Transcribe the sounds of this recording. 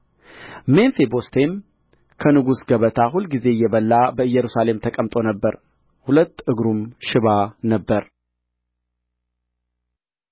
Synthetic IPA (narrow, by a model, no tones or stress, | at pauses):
menfebo̞st̪ʰe̞m | kʰənɨɡusɡəβət̪ʰahulɡize̞jːɛβəlːabəɨjːɛɾusale̞mt̪ʰəkʼəmt̪ʼo̞nəbːəɾ | hulət̪ːɨɡɾumʃɪβanəbːəɾ